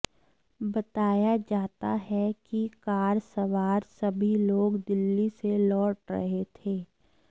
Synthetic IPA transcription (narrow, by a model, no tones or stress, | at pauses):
bɐt̪aːjad͡ʒaːt̪a̰ɦɛkikaːɾsɐʋaːɾsɐbʱiloːɡd̪ɪlːiselɔːʈɾɐ̰ɦet̪ʰeː